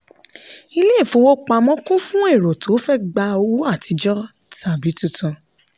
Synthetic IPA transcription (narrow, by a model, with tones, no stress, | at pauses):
i˧le˦˨fo˧wo˦k͡pa˧mɔ̃˦kũ˦fũ˦e˦˨ɾo˨tʰo˨˦fɛ˦ɡ͡ba˧o˧wu˦a˦˨ti˧d͡ʒɔ˦ | ta˨bi˨˦tu˦˨tũ˧˨